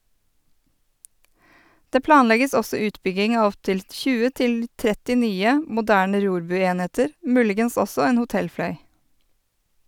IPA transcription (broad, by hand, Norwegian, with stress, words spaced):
ˈdeː ˈplɑːnˌlɛɡəs ˈɔsɔ ˈʉːtbʏɡɪŋ ˈɑː ˈɔptɪl ˈtçʉːə ˈtɪl ˈtɾɛtɪ ˈnyːə mʊˈdæːɳə ˈɾuːɾˌbʉːˌeːneːtəɾ ˈmʉːlɪɡəns ˈɔsɔ ˈeːn hʊˈtɛlˌflœʏ